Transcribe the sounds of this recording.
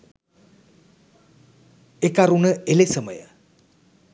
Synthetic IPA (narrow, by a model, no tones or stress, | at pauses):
ekaɾunəelesəmə̰jə̰